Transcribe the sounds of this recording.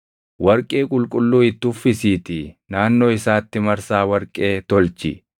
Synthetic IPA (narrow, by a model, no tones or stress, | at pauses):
wɐɾkʼe̞ːkʼʊlkʼʊlːuːɪt̪ːʊfɪsiːt̪ɪnaːnːo̞ːɪsaːt̪ːɪmɐɾsaːwɐɾkʼe̞ːt̪ɔlt͡ʃɪ̰